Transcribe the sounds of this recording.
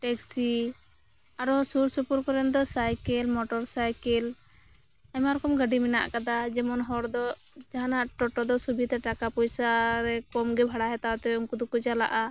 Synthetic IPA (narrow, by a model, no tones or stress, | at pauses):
ʈɛksi | aɾɔsuɾsupuɾkɔɾɛnd̪ɔsajkɛlmɔʈɔɾsajkɛl | aɲmaɾɔkɔmɡəɖimɛna̰ʔkad̪ad͡ʒɛmɔnɦɔɾd̪ɔ | d͡ʒaɦanaʔʈɔʈɔd̪ɔsubʱit̪aʈakapɔjsaɾɛkɔmɡɛbʱaɽaɦɛt̪at̪ɛumkud̪ukud͡ʒala̰ʔa